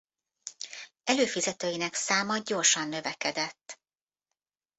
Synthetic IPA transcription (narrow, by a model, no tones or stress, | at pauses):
ɛløːfizɛt̪øːjinɛksaːmɒɟo̞rʃɒnːø̞vɛkɛd̪ɛt̪ː